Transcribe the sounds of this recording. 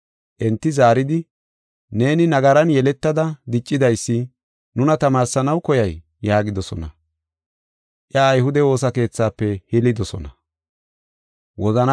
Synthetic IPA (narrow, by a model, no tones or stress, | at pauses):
ʔɛnt̪ːɪzaːɾɪd̪ɪ | ne̞ːnɪnɐɡɐɾɐnjɛlɛt̪ːɐd̪ɐd̪ɪt͡ʃʼːɪd̪ɐjsːɪ | nʊnɐt̪ɐmaːɾsɐnɐwkɔjɐjː | aːɡɪd̪ɔsɔ̰nɐ̰ | ʔjɐːjhʊd̪ɛwo̞ːs̬ɐke̞ːt͡sːaːpːɛhɪlɪd̪ɔsɔ̰nɐ | wɔzɐn